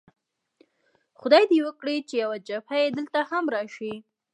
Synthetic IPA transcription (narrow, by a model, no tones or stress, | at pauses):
xʊd̪ɑjd̪ewəkɽit͡ʃejawad͡ʒafajed̪əlt̪ahamɾɑʃi